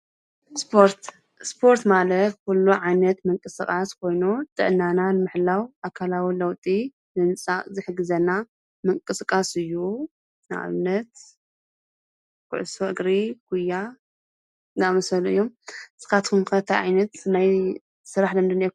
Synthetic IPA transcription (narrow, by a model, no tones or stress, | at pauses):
spʰoɾt̪ | spʰo̞ɾt̪malɐt̪̚kʰulːuʕajnɐt̪mɨŋkʼɨsɨkʼaskʰo̞jnut̪ʼɨ̰ʔɨnːananɨmɨħlawʔakʰalawilɐwt̪ʼi | nɨnɨt͡sʼazɨħɨɡɨzɐnːa | mɨŋkʼɨskʼasɨjːu | nɨʔa̰βɨnːɐt̪ | kʰʊ̰ʕɨsoʔɨɡɾikʰujːa | namɐsɐluɨ̰jːo̞msɨ̥kat̪kumxɐt̪ʰajʕa̰jnɐt̪naj | sɨɾaħd̪ɐmd̪ɨne